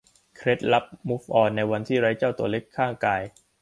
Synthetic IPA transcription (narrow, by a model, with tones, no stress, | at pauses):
kʰɾe˦˥t̪̚la˦˥p̚mu˦˥fʔɔː˧nːa˧jwa˧nt̪ʰiː˥˩ɾa˦˥jt͡ɕaː˥˩wt̪u˨˩ɐle˦˥kʰːaː˥˩ŋkaː˧j